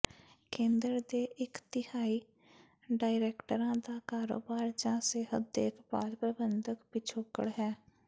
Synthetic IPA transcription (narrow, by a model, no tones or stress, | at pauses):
kẽːnd̪əɾd̪eːʔɪkt̪ɪhaːiː | ɖaːɪɾɛːkʈəɾãːd̪aːkaːɾo̰ːbaːɾd͡ʒãːseːɦəd̪̚d̪ḛːkba̰ːlpɾəbənd̪əkpɪt͡ʃʰoːkə̰ɽɦɛː